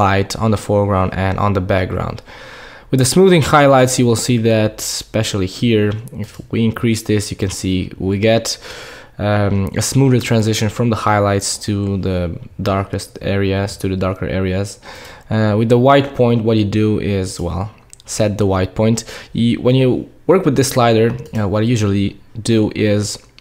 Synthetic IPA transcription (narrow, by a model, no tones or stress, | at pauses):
laɪɾ̃n̩ðəfɔɹɡɹãʊ̃ndɨ̃nʔn̩ðəbæk̚ɡ̥ɹã̰ʊ̃nd̥ | wɨðɨsmuðɪ̃ŋhaɪlaɪtsjɨwɪlˠsiðɨtspɛʃl̩ˠihiɹɪfwiɪ̃nkʰɹ̥isðɪsjɨkɨ̃nsiwiɡɛɾ | ɨ̰smuðə˞tʰɹ̥æ̃nzɪʃɨ̃nfɹʌ̃mðəhaɪlaɪtstʰɨðədɑɹkɨstɛ̰ɹiɨz̥tʰɨðɨdɑɹkə̰˞ʔɛ̰ɹiɨz̥ʌwɨðəwaɪt̚pʰɔ̃ɪ̃ntwʌtɨdɨʔɪzwɛ̰lˠ | sɛt̪̚ðəwaɪt̚pʰɔ̃ɪ̃ntɨwʔə̃njɨwɜ˞kwɨðɪslaɪɾə˞wʌɾjʉʒl̩ˠidɨʔɪz